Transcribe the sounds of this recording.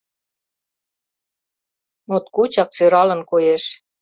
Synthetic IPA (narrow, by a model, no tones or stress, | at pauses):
mot̪kut͡ɕɑk̚t͡søɾɑlə̆nkojeʃ